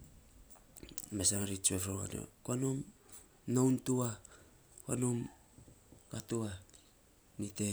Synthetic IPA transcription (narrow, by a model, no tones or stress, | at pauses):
mesaŋaɾit͡ʃuefɾoŋa̰no̰kuanom | nowntua | kwanom | katua | nite